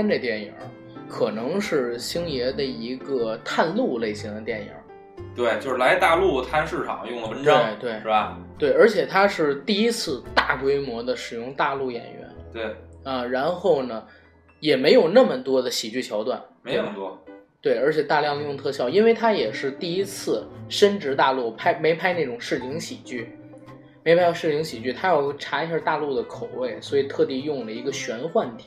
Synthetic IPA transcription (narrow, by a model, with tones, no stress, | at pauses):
nʈ͡ʂə˥˧˩t̪jɛ˥˩njə̰˨˩˥ | kʰɤ˨˩nɤ˧˥ŋʂɻ̩˥˩ɕi˥ŋjɛ˧˥d̪ə˧i˧˥ɡə˧t̪ʰa˥˧nlu˥˧le˥˩ɪɕi˧˥ŋd̪ə˧t̪jɛ˥˩njə̰˨˧˥ | t̪we˥˩ɪt͡ɕjo˥˧ʊʂɻ̩˥˩la˧˥ɪt̪a˥˧lu˥˩t̪ʰa˥nʂɻ̩˥˩ʈ͡ʂʰɑ̰˨˩ŋjʊ˥˩ŋlə˩pə˧˥nɑwe˥˩ɪt̪we˥˩ɪʂɻ̩˥˩ba˧˩t̪we˥˩ɪə˞˧˥t͡ɕʰjɛ˨˩t̪ʰa˥ʂɻ̩˥˧t̪i˥˩i˥t͡sʰɹ̩˥˧t̪a˥˩kwe˥ɪmwɔ˧˥d̪ə˧ʂɻ̩˨˩jʊ˥˧ŋt̪a˥˧lu˥˩jɛ̰˨˩nɥɛ̰˧˥nt̪we˥˩ə˧ɻa˧˥nxo˥˩ʊnə˩ | jɛ˨˩me˧˥ɪjo˨˩ʊnə˥˩mə˩t̪wɔ˥d̪ə˨ɕi˨˩t͡ɕy˥˩t͡ɕʰjɑ˧˥ʊt̪wa̰˥˩nme˧˨˩t̪wɔ˥t̪we˥˩ɪə˞˧˥t͡ɕʰjɛ˨˩t̪a˥˧ljɑ˥˧ŋli˥˧jʊ˥˧ŋt̪ʰɤ˥˧ɕjɑ˥˩ʊi˥nwe˥˩ɪt̪ʰa˥jɛ˨˩ʂɻ̩˥˧t̪i˥˩i˥t͡sʰɹ̩˥˩ʂə˥nʈ͡ʂɻ̩˧˥t̪a˥˧lu˥˩pʰa˥ɪme˧˥ɪpʰa˥ɪna˥˩ʈ͡ʂʊ˨˩ŋʂɻ̩˥˩li˧˥ŋɕi˨˩t͡ɕy˥˩ | me˧˥ɪpʰa˥ɪ˥ʂɻ̩˥˩li˧˥ŋɕi˨˩t͡ɕy˥˩t̪ʰa˥jɑ˥˧ʊxɪʈ͡ʂʰa˧˥i˥ɕɑ˥˧t̪a˥˧lu˥˩d̪ə˩kʰo˨˩ʊwe˥˩ɪswɔ˧˥i˨˩t̪ʰɤ˥˧t̪i˥˧jʊ˥˩ŋlə˩i˧˥ɡə˧ɕɥɛ˧˥nxwa˥˩nt̪ʰi˨˩˦